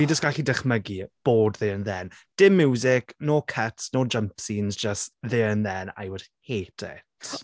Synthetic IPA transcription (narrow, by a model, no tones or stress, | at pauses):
id͡ʒəsɡ̥aɬidɛχməɡib̥oːdðɪənðɛnd̥ɪmːjuːzɪknoːkʰətsnoːd͡ʒəmpsiːnzd͡ʒəstðɪənðɛna̰jwəd̥heːtʰɪ̰tʰ